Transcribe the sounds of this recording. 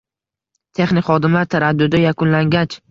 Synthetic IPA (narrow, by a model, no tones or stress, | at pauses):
t̪ʰe̞χnɪkχɒd̪ɪmlaɾt̪ʰaɾad̪ːʊd̪ajakʰʊnlaŋɡʲat͡ʃ